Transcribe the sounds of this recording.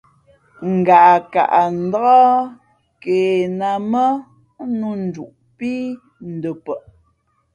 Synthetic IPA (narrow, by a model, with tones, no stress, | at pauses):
ŋ̩˨ɡa˨ʔka̰˨ʔa˨n̩˨˦dɣɔ˦ | keː˨na˨mə˦ | nu˦˨n̩˨du˨ʔ | pi˦ | n̩˨də˨pə˨ʔ